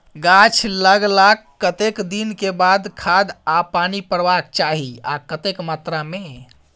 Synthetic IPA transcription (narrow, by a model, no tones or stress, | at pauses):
ɡat͡ʃʰləɡlakːət̪ekd̪inkebad̪kʰad̪apaːnipəɾʋak̚t͡ʃaɦiakət̪ekmaːt̪ɾame